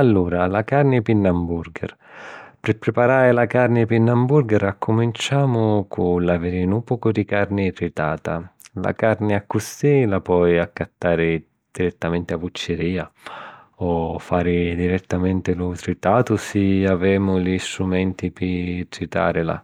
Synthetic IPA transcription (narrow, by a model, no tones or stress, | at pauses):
alːuːɾalakaɾnɪpinːambuɾɡɛ̰r | pɪpɾɪpaɾaːɾɪlakaɾnɪpinːambuɾɡɛɾakʰːʊmint͡ʃaːmʊkʰʊlaveɾɪnupukʊd̪ikarnɪt̪ɾit̪aːt̪ala̰kaɾnɪakːusilapɔjakːat̪ːaːɾɪ | d̪̥iɾɛt̪ːamɛnt̪ɪabut͡ʃːɪɾiːa | ɔfːaːɾɪd̪iɾɛt̪ːamɛnt̪ɪlʊt̪ɾit̪aːt̪ʊsiavɛːmʊlist̪ɾumɛnt̪ipɪt̪ɾit̪a̰ːɾɪla̰